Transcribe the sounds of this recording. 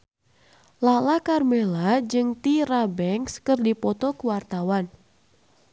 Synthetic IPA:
lalakarmelad͡ʒɨŋt̪irabɛŋskɨrdipɔt̪ɔkuwart̪awan

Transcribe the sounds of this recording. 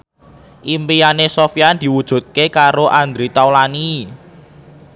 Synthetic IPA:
ʔimpijanesofijand̪̥i̤wud̥ʒ̥ṳt̪̚kekaɾoʔand̪ɾit̪awlani

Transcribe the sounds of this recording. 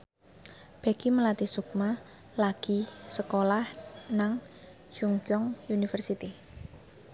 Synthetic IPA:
b̥ɛɡ̥iməlat̪isuk̚ma | laɡ̥i̤səkolahnaŋ | d͡ʒ̥uŋkjɔŋunifərsit̪i

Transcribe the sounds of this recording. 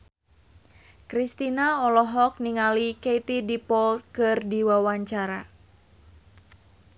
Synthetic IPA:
kɾist̪inaɔlɔɦɔk̚niŋalikejt̪idipɔlt̪̚kɨrdiwawaɲt͡ʃaɾa

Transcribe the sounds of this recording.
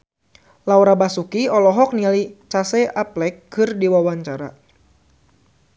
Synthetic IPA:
lawɾabasukiɔlɔɦɔk̚nialit͡ʃasɛaplɛkːɨrdiwawaɲt͡ʃaɾa̰

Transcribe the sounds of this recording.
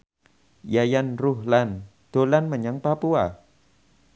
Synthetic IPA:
jajanrʊɦlan | d̪̥o̤lanməɲaŋpapua

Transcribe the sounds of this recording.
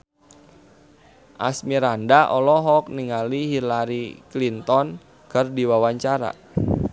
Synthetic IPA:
ʔa̰smiɾandaʔɔlɔɦɔk̚niŋalihilaɾiklint̪ɔn | kərdiwawaɲt͡ʃaɾa̰

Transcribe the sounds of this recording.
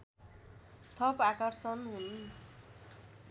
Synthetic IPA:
t̪ʰʌpakʌrsʌnɦun

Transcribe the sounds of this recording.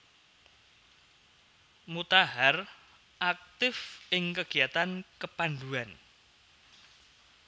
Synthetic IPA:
mut̪aɦar | ʔak̚t̪ɪfɪŋkəɡ̥i̤at̪ankəpand̪uan

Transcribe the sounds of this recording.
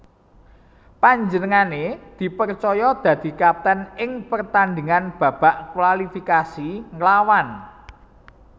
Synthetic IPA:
paɲd͡ʒənəŋaned̪̥i̤pərt͡ʃɔjɔd̪̥ä̤d̪̥i̤kap̚t̪ənɪŋpərt̪and̪iŋanb̥ä̤b̥a̤ʔkwalifikasiŋlawan

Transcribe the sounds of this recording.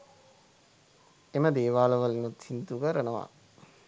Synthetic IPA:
eməd̪eːʋaːləʋəlinut̪sint̪ukəɾənəʋa̰

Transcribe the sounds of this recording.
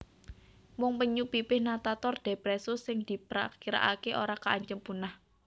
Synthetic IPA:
mʊŋpəɲupipɪhnat̪at̪ɔrd̪̥epɾesʊsɪŋd̪̥i̤pɾa̰kiɾa̰ʔakeʔoɾakaːɲt͡ʃəmpunah

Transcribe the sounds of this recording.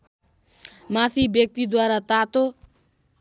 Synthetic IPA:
mat̪ʰibjʌk̚t̪id̪waɾat̪at̪o

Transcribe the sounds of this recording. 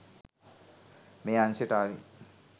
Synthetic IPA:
meanseʈai

